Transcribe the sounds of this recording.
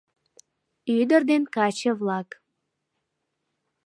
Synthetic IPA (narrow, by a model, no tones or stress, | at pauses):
yd̪ərd̪enkɑt͡ɕəβlɑk